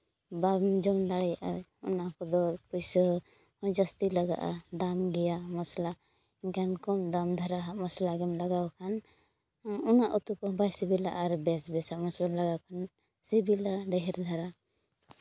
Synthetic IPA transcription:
bamd͡ʒɔmd̪aɽɛjaʔaɔ̰nakɔd̪ɔpujsɔ | d͡ʒast̪ilaɡa̰ʔa̰d̪amɡɛjamɔsla | iɲkankɔmd̪amd̪ʱaɾaɦamɔslaɡɛmlaɡawkʰan | ɔnaʔut̪ukɔbajsibila̰ʔaɾbɛsbɛsamɔslalaɡawkʰan | sibilaɖɛɦɛɾd̪ʱaɾa

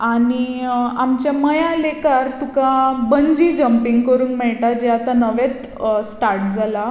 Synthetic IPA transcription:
aniamt͡ɕjaməjãlekaɾt̪ukabəɲd͡ʑiːd͡ʑəmpiŋɡkəɾuːnmɛɭʈad͡ʑeat̪anəʋet̪ | sʈaɾʈd͡zʱala

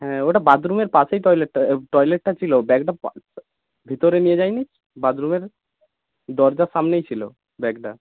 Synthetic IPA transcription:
ɦɛ̃oʈabad̪ɾumeɾpasejʈɔjleʈːaʈɔjleʈ̚ːat͡ɕʰilobɛɡɖap | bʱit̪oɾenijed͡ʑajni | bad̪ɾumeɾ | d̪ɔɾd͡ʑasamnejt͡ɕʰilo̰ | bɛɡ̚ʈa

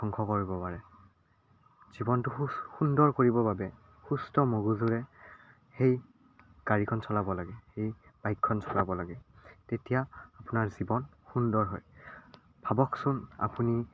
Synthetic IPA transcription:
ɔŋkʰɔkoɹibɔpaɹɛ | z̥ibɔntʊxundɔɹkoɹibɔbabɛ | xustɔmoɡuzuɹɛ | xej | ɡ̥aɹikʰɔnsɔlabɔlaɡɛxejb̥ajkʰːɔnsʰɔlabɔlaɡɛtetijaːpʊnaɹzibɔn | xundɔɹɦɔj | bʱabɔksʊna̰puni

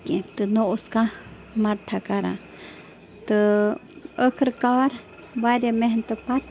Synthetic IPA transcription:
kĩt̪ənõʔska | mãɾt̪ʰakaɾã̰ | t̪ə | əkʰəɾkaɾ | baɾjamẽɦnt̪əpat̪

